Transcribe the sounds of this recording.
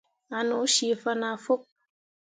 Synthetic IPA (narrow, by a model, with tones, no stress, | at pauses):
a˨no˨˦ʃi˨fə˦na˨fo˦k̚